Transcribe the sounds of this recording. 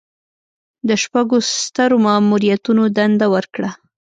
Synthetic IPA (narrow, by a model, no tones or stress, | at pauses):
d̪əʃpaɡost̪aɾomamuɾijat̪unod̪and̪awəɾkɽa